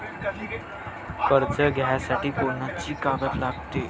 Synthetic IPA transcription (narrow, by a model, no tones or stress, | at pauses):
kəɾt͡səɡʱajasaʈiːkonat͡ɕiːkaɡət̪laɡ̚t̪e